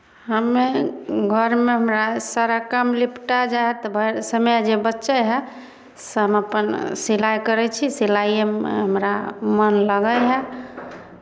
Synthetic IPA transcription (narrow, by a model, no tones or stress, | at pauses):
ɦəmeɡʱəɾmeɦəmɾasaɾakəmlipʰʈad͡ʒaɦɛt̪bʱəsəmjad͡ʒebətːʃɛɦɛ | sɦəməpənsilajkəɾɛt͡ʃʰisilajem̰ɦəmɾamənləɡəjɦɛ